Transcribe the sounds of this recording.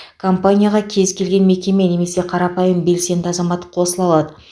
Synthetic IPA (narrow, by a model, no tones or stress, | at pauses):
kʰompanʲijaʁɑkʲʰe̞zkʲʰe̞lɡʲe̞nme̞kʲe̞me̞ne̞me̞se̞qʰɑɾɑpɑjəmbe̞lse̞nd̪ɪɑzɑmɑt̪əqʰo̞səlˠɑlˠɑd̪ə